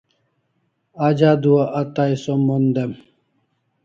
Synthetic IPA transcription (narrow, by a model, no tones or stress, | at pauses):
ad͡ʑad̪uɐʔɐt̪aisomːond̪em